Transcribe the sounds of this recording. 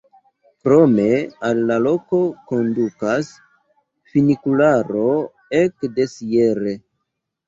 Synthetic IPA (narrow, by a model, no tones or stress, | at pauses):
kɾo̞me̞alːalo̞ko̞ko̞ndukas | finikulaɾo̞ | e̞kde̞sije̞ɾe̞